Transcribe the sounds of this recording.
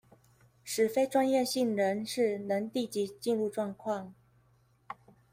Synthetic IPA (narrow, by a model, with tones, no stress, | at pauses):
ʂɻ̩˨˩fe˥ɪʈ͡ʂwa˥njɛ˥˧ɕi˥˩ŋɻə˧˥nʂɻ̩˥˩nə˧˥ŋt̪i˥˩t͡ɕi˧˥t͡ɕi˥˧nɻu˥˧ʈ͡ʂwɑ˥˧ŋkʰwɑ˥˩ŋ